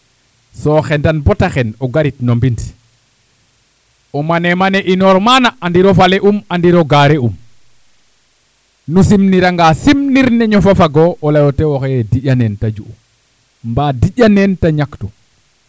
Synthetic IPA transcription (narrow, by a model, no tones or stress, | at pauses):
sɔxɛndanbɔtaxɛnɔɡaɾitnombint | ɔmanɛmanɛʔinɔɾmanaandiɾɔfalɛʔumandiɾɔɡaɾɛum | nusimniɾaŋɡasimniɾnɛɲɔfafaɡɔɔlajɔtɛwɔxɛjɛdiʄanɛntad͡ʒuʔu | mbadiʄanɛntaɲaktɔ